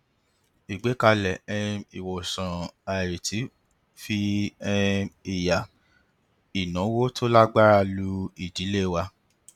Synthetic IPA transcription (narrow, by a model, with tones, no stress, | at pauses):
i˨ɡ͡be˨˦ka˧lɛ˨ɛ˧i˨wo˨sã˨a˨ɾi˨tʰi˨˦ | fi˧ɛ˧i˨ja˨ | i˨nɔ̃˨˦wo˦tʰo˦la˦ɡ͡ba˦ɾa˦˧lu˦i˨d͡ʒi˨˦le˦˨wa˧